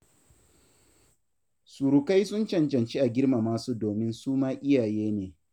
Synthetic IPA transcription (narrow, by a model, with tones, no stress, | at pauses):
suː˨ɾu˨ka˦jsʊ˦nt͡ʃɐ˨nt͡ʃɐ˨nt͡ʃi˦ʔa˨ɡʲɪ˦rma˨maː˦suː˦doː˨mɪ˦nsuː˦maː˦ʔɪ˦jaː˨jeː˦neː˨